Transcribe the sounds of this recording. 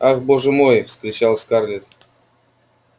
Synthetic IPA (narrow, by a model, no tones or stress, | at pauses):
axboʐɨmojfskɾʲɪt͡ɕalˠsʲkarlʲɪt̪